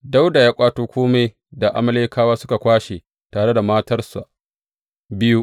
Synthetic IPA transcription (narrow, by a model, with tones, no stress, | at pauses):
da˦wda˨jaː˦kʷʼaː˦toː˦kʷoː˦me˨j | da˨ʔa̰˨mɐ˦leː˦kaː˦waː˦sʊ˦ka˨kʷaː˦ʃe˨ | taː˨ɽe˦da˨maː˦tɐ˦rsa̰˨ | bɪ˦ju˦ʔ